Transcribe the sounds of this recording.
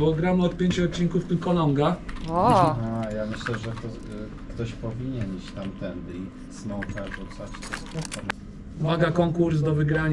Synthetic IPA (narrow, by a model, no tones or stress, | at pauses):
bɔɡɾamɔt̪̚pʲjeɲt͡ɕuɔt̪̚t͡ɕːiŋkuft̪ɪmkɔlɔŋɡaɔajamɘɕlɛʐɛkt̪ɔ | kt̪ɔɕpɔvʲiɲɛnit͡ɕt̪amt̪ɛnd̪ɘi | smɔwt̪aʐut̪sat͡ɕt̪ɔspɔfɔɾ | maɡakɔŋkuɾsd̪ɔvɘɡɾaɲ